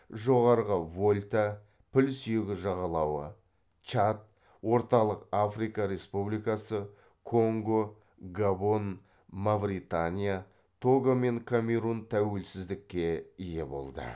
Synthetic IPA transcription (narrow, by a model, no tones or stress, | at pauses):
ʒo̞ʁɑɾʁəvolʲt̪a | pʰɪlsʏjeɡʲɪʒɑʁɑlˠɑwə | t͡ʃat̪̚ | wo̞ɾt̪ɑlˠəqafrijkɑɾe̞spublijkɑsə | kʰo̞ŋɡo | ɡabo̞n | mavɾit̪anʲija | t̪ʰo̞ɡome̞ŋkʰamʲe̞ɾunt̪ʰæwe̞lsɪzd̪ɪkʲːe̞ije̞bo̞̰lˠd̪ə̰